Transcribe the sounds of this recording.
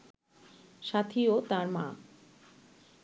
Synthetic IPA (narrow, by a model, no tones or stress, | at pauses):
ʃat̪ʰiot̪aɾmã̰